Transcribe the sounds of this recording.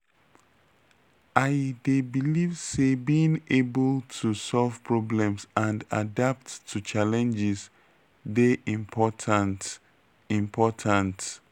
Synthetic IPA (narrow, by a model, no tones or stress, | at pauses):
ʔaɪdebilivsebĩŋebəlˠtʰusɔlv̥pʰɹɔblɛ̃msʔãndadap̚tʰːut͡ʃalɛ̃nd͡ʒɪz | deʔĩmpʰɔtʰant | ĩmpʰɔtʰãnt